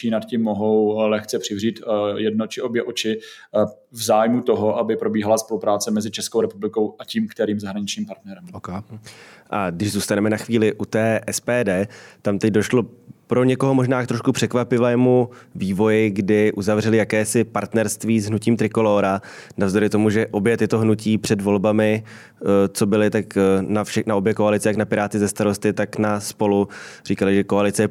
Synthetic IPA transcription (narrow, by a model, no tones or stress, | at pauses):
t͡ʃinat̪cimːoɦowlɛxt͡sɛpr̥ɪvriːt̪jɛd̚not͡ʃɪobjɛʔot͡ʃɪ | vzaːjmut̪oɦoʔabɪpɾobiːɦalaspolupɾaːt͡sɛmɛzɪt͡ʃɛskowɾɛpublɪko̞waciːmkt̪ɛɾiːmzaɦɾaɲɪt͡ʃɲiːmpaɾt̪nɛɾɛmkː | ʔaɡdɪʒzuːst̪anɛmɛnaxviːlɪʔut̪ɛːʔɛspɛːdɛːt̪amt̪ɛc̚do̞ʃlo̞pɾo̞ɲɛko̞ɦomo̞ʒnaːk̚t̪ɾo̞ʃkupr̝̥ɛkvapɪvɛːmuviːvo̞jɪɡdɪʔuzavr̝ɛlɪjakɛːsɪpaɾt̪nɛɾst̪viːzɦnuciːmt̪ɾɪko̞loːɾanavzd̪o̞ɾɪt̪o̞muʒɛʔo̞bjɛt̪ɪt̪o̞ɦnuciːpr̝̥ɛdvo̞lbamɪ | t͡so̞bɪlɪt̪aknafʃɛnaʔo̞bjɛko̞alɪt͡sɪjaknapɪɾaːt̪ɪzɛst̪aɾo̞st̪ɪt̪aknaspo̞lur̝iːkalɪʒɛko̞alɪt͡sɛjɛ